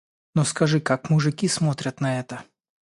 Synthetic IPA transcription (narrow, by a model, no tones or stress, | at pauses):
nɔskɐʒɪkakmuʐɪkʲismɔt̪ɾʲɐt̪nɐɛt̪ɐ